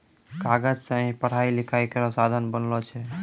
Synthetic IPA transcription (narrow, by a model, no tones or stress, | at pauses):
kaɡəd͡ʒsə̃ɦĩpəɽ̤ailikʰaikəɾɔsad̪ʱənbənlɔt͡ʃʰɛ